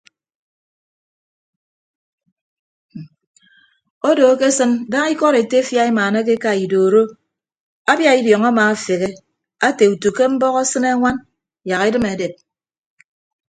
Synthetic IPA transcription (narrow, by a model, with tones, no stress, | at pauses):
o˦do˨˦ke˦sɨ˦nda˦ŋi˦kɔ˦ɾe˨te˦fja˦i˦maː˨ne˦k̬e˦ka˦i˨doː˨ɾo˦ | a˦bja˦i˦djɔ˨ŋa˦maː˨a˨fe˨ɣe˦ | a˦te˨u˨tu˨ke˦m̩˦bɔ˦ɣɔ˦sɨ˦ne˦ŋʷa˦n | ja˨ɣi˦dɨ˦me˨de˨p̚